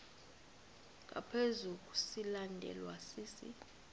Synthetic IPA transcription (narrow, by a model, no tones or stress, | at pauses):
ŋ̬ʼa̰pʰezuk̬ʼu̥silandʱɛ̰lwasiːsḭ